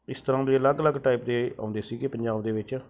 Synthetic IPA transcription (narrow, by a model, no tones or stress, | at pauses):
ɪst̪əɾãːd̪eːələɡləɡʈaːipd̪eːã̰ːʊ̃nd̪eːsiːɡepəɲd͡ʒaːbd̪eːʋɪt͡ʃ